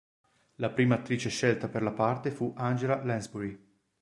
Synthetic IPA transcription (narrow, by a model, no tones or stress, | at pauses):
lapɾiːmaːt̪ːɾiːt͡ʃeʃɛlt̪aperlapart̪efuʔand͡ʒelalɛnzbuɾi